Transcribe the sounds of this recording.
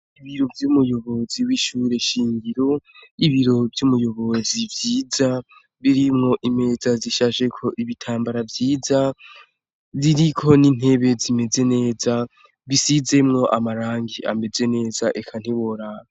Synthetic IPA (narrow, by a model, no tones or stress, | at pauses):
iβiɾo̞vjumujo̞βo̞ziwiːʃuːɾe̞ʃiːŋɡiɾo̞iβiɾo̞vjumujo̞βo̞zivjiːza | βiɾimŋo̞ʔime̞zaziʃaːʒekʰo̞ʔiβitʰaːmbaɾavjiːza | βiɾikʰo̞nin̥he̞βe̞zime̞ze̞ne̞ːza | βisize̞mŋo̞ʔamaɾaːŋɡia̰me̞ze̞ne̞ːzaʔekʰan̥hiβoɾao